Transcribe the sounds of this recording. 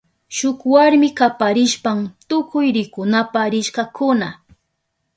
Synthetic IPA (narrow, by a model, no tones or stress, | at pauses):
ʃʊkwaɾmɪkapaɾɪʃpamt̪ʊkʊjɾɪkʊnapaɾɪʃkɑkʊna